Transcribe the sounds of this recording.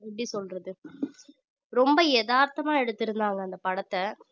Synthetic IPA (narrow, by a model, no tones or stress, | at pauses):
ɪbɽisɔlɾɐðɯ | ɾɔmbɐjɛðaːɾt̪ɐmaːɛɽɯt̪ːɪɾɯnd̪aːŋɡɐːnd̪ɐpɐɽɐt̪ːɐ